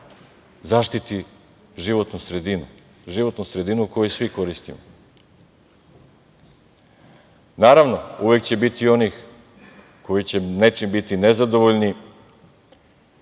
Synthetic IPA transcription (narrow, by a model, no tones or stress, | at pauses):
zaʃt̪it̪i | ʒiʋo̞t̪nusɾe̞d̪inu | ʒiʋo̞t̪nusɾe̞d̪inuko̞jesʋiko̞ɾist̪imo̰ | naːɾaʋno̞uʋe̞kt͡ɕe̞bit̪io̞nix | ko̞jit͡ɕe̞net͡ʃimbit̪inezad̪o̞ʋoʎni